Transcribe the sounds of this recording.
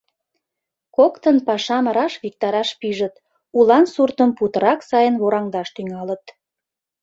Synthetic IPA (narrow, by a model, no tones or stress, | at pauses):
kokt̪ənpɑʃɑməɾɑʃβik̚t̪ɑɾɑʃpiʒət̪ | ulɑnsurt̪əmput̪əɾɑksɑjənβoɾɑŋd̪ɑʃt̪yŋɑlət̪